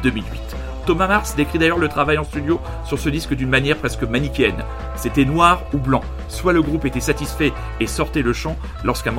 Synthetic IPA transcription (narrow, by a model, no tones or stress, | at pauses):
d̪əmilɥḭt̪ | t̪ɔmamaʁsd̪ekχid̪ajœʁlət̪χavajɑ̃st̪yd̪jo | syʁsəd̪iskəd̪ynmanjɛʁpχɛskəmanipʲjɛn | set̪ɛnwaʁublɑ̃ | swaləɡʁupet̪ɛsat̪isfɛ | esɔʁt̪ɛləʃɑ̃ | lɔʁskɛ̃m